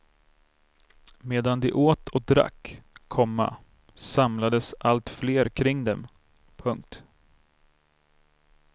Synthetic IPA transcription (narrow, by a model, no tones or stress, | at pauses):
meːd̪and̪ɛʔoːt̪ʰɔd̪ɾa̰kːʰɔmːa̰ | samlad̪əsʔalt̪fleːɾkʰɾɪŋd̪ɛm | pʰɵŋk̚t̪